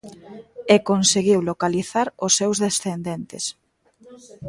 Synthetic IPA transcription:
ekonseɣiwlokaliθaɾʊsːewzðesθend̪ent̪ɪ̰s

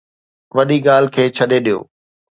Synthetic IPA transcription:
ʋɐɗiɠaːlkʰeːt͡ɕʰɐɗeɗijo̰ː

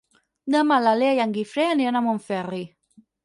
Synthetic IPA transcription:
namalaleajaŋɡifɾɛaniɔnamɔnfɛri

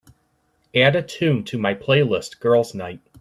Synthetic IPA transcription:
æɾɨtʰʉ̃ntʰɨmaɪpʰl̥eɪlɪstɡ̥ɜ˞lˠznaɪt̚

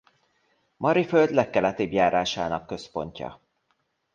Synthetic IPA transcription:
mʔɒɾiføld̪lɛkːɛlɛt̪eːbjaːɾaːʃa̰ːnɒkːø̞spo̞̰ɲcɒ̰

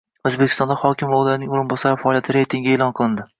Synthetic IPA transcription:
ɵzbekʲʰɪst̪ɒnd̪ahɒkʲɪmɒlaɾɪnɪŋʊɾɪmbɒsaɾɪfaɒːlijat̪ʰɪɾe̞jt̪ʰɪŋɡʲɪelˠɒnqʰɨlˠɪnd̪ɪ

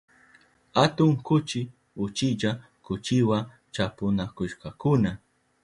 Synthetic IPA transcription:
hat̪ʊŋkʊt͡ʃɪ | ʊt͡ʃɪʎa | kʊt͡ʃɪwa | t͡ʃapʊnakʊʃkɑkʊna

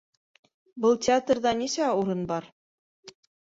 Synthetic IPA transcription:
bɤlˠtʲɪat̪rðɑnisæuɾɤnbɑɾ

